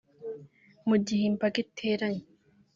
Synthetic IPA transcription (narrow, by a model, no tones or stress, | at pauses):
mʊd͡ʒːɪhɪmpɐkɪt̪ʰːeːɾɐɲ